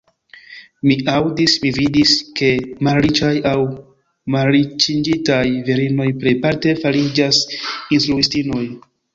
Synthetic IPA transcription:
miawdismividiske̞malɾit͡ʃajaw | malɾit͡ʃind͡ʒitajviɾino̞jpɾejpaɾte̞faɾid͡ʒasinstɾuistino̞j

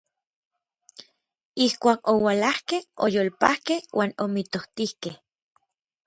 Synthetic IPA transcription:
ihkʷaːkowalahkehojoːlpahkehwʔaːnomit̪oht̪ihkeh

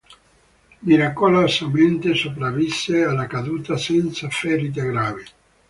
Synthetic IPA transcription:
miɾakolosament̪esopɾavːisːealːakad̪uːt̪asɛnt̪safɛɾit̪̬aɡɾaːve

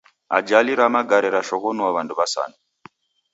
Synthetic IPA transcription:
a̰d͡ʒaliɾamaɡaɾɛɾaʃɔkɔnuaβanduβasa̰na

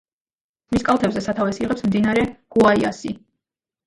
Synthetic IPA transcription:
miskʼalˠt̪ʰɛbzɛsat̪ʰavɛsiʁɛpsmd̪inaɾɛɡ̥uaiasi

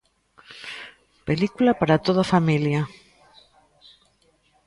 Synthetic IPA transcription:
pelikulapaɾat̪oð̞afamilja

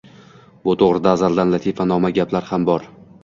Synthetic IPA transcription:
bʊt̪ʰoʁɾɪd̪aːzald̪anlat̪ʰifanɒmaɡʲaplaɾhambɒɾ

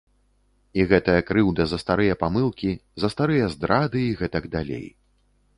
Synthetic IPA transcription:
iɣɛt̪ɐjɐkɾɨwd̪ɐzɐst̪aɾɨjɐpamɨlˠkʲizɐst̪aɾɨjɐzd̪ɾad̪ɨiɣɛt̪ɐɡd̪alʲḛj

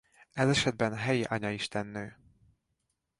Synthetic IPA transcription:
ɛzɛʃɛd̪̚bɛnɦɛjiʔɒɲɒiʃt̪ɛnːøː

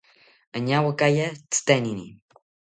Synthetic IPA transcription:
əɲawəkajat͡st̪ɛninḭ

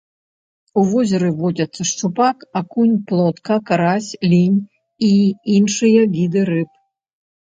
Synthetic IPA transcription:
uvɔzʲɐɾɨvɔd͡zʲɐt̪sːɐʂt͡ʂupakakunʲplˠɔt̪kɐkaɾasʲlʲinʲ | iinʂɨjɐɣʲid̪ɨɾɨp

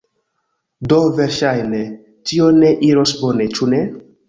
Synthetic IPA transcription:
doveɾʃajne | tioneʔiɾosbonet͡ʃune

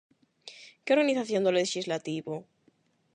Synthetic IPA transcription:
keo̞ɾɣaniθaθjond̪oleʃizlat̪iβo

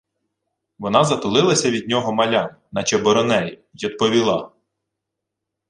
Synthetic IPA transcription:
ʋɔnɑzɐt̪ʊlˠɪlˠɐsʲɐʋʲid̪̚ʲnʲɔɦɔmɐlʲam | nɐt͡ʃɛbɔɾɔnɛjʊjid̪̚pɔʋʲilˠɑ

